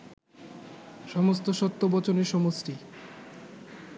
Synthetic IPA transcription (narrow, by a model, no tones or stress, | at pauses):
ʃɔmost̪oʃɔt̪ːobɔt͡ɕoneɾʃɔmosʈi